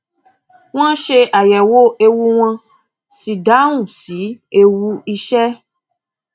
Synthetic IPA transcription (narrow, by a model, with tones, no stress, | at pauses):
w̃ã˦ʃe˦ʔa˨jɛ˨wo˦e˦wu˦w̃ã˦ | si˨da˦ŋũ˨si˨˦e˦wu˦i˦ʃɛ˦